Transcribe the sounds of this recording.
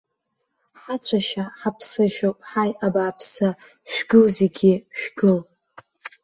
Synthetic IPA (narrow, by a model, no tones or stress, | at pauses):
ħat͡ɕʷʰaʃaħapʰsɨʃopʼħajʔabaːpʰsa | ʃᶣɡɨlzeɡʲiʃᶣɡɨl